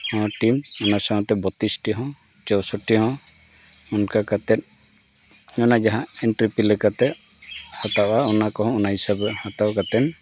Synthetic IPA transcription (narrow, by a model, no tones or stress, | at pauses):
hɔ̃ʈimɔnasaɦɔ̃t̪ɛbɔt̪isʈiɦɔ̃ | t͡ʃɔwsɔʈiɦɔ̃ | ɔnkakat̪ɛt̪̚ˀ | ɲɔnad͡ʒaɦãɛnʈɾipilɛkat̪ɛ | hɔt̪aʔaɔnakɔɦɔ̃ɔnaɦisabɛhɔt̪awkat̪ɛn